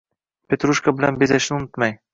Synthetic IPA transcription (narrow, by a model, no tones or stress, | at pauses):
pʲet̪ɾuʃkabɘ̆lænbezæʃɪnunʊt̪mɑj